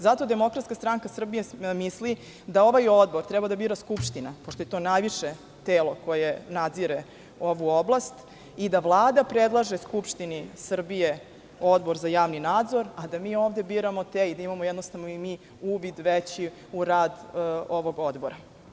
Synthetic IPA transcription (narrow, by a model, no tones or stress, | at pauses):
zat̪o̞d̪e̞mo̞kɾat̪skast̪ɾaŋkasr̩bijemisli | d̪ao̞ʋajo̞d̪̚bo̞ɾt̪ɾɛbad̪abiːɾaskupʂt̪inapoʂt̪ojet̪o̞ːnajʋiʃe | t̪eːlo̞ko̞jenad̪ziɾe | o̞ʋuoblˠast̪ | id̪aʋlˠaːd̪apɾed̪lˠaʒeskupʂt̪inisr̩bije | o̞d̪bo̞ɾzajaːʋninaːd̪zo̞ɾad̪amiːoːvd̪e̞biːɾamo̞t̪eid̪aimamojɛd̪nost̪aʋnoimiː | uʋid̪ʋet͡ɕi | uɾaːd̪oʋo̞ɡo̞d̪boɾa